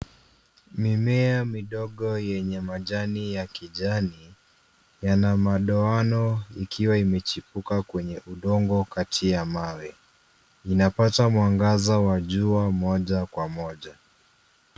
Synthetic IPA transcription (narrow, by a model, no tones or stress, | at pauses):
mimɛamiɗɔɠɔjɛɲɛmaʄanijakiʄani | janamaɗɔanɔikʰiwaimɛt͡ʃipukakwɛɲɛʔuɗɔŋɡɔkatʰijamawɛ | inapatamwaŋɡazawaʄuamɔʄakwamɔʄa